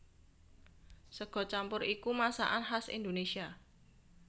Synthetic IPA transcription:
səɡ̥ɔ̤t͡ʃampʊɾikumasa̰ʔanɦasḭnd̪onesia

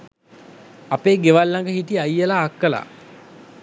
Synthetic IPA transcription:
apeːɡeʋalːaŋɡəɦit̪iajːəlaːkːəla̰

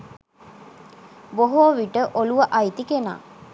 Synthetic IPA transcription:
boɦoːʋiʈəʔoluʋəʔajt̪ikena̰ː

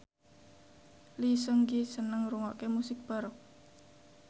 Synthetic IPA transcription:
lisəŋɡisənəŋɾuŋɔʔkemusɪk̚b̥a̤ɾɔk

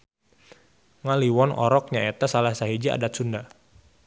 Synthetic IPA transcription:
ŋaliwɔnɔ̰ɾɔk̚ɲaet̪asalahsaɦid͡ʒia̰dat̪̚sunda

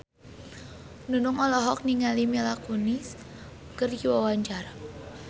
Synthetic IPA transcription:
nunʊŋɔlɔɦɔk̚niŋalimɛlakunis | kərjiwawaɲt͡ʃara

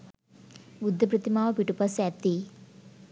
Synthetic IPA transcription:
ʋud̪ʱːɐpɾɐt̪imaːʋɐpiʈupɐsaːt̪ːi

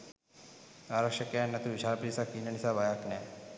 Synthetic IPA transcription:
aːɾɐkʂjɐkejanːɐt̪uʋit͡ʃʰaːɾpɾisakinɐɳisabajakna

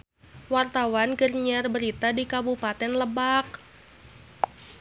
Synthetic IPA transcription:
wart̪awanɡərɲarbəɾit̪adikabupat̪ɛnləbak̚

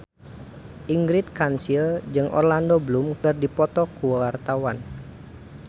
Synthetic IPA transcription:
ʔiŋɡɾit̪̚kansild͡ʒɨŋʔɔ̰rlandoblumkərdipɔt̪ɔkuwart̪awan

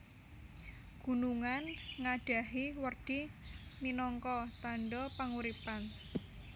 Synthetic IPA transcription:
ɡ̥ṳnuŋanŋaɖ̥a̤ɦiwərd̥iminɔŋkɔt̪aɳɖɔpaŋuɾipan

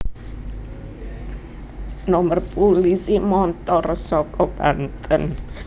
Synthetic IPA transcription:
nɔmərpulisimɔnt̪ɔrsɔkɔb̥ant̪ən

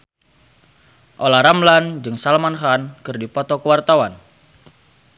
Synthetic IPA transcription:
ʔolaɾamland͡ʒɨŋsalmanχankɨrdipɔt̪ɔkəwart̪awan

